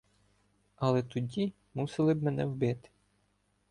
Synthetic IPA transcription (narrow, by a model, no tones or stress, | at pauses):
ɐlˠɛt̪ʊdʲi | musɪlˠɪbmɛnɛwbɪt̪ɪ̥